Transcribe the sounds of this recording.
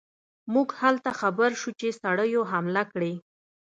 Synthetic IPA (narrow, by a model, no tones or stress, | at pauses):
muɡhalt̪axabəɾʃut͡ʃesaɽəjoɦamlakɽe